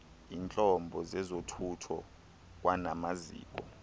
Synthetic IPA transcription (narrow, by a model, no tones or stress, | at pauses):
iːnt͡ɬʼɔmbʱɔzɛzotʰutʰɔ | k̬wanamazḭːk̬ʼɔ̰